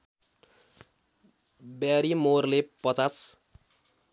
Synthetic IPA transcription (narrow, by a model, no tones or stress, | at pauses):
bjaɾimorlepʌt͡sas